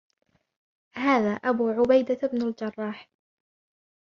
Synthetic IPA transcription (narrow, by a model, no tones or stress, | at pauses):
haːðaːʔabuːʕʊbajd̪abnald͡ʒɑrˤːɑːħ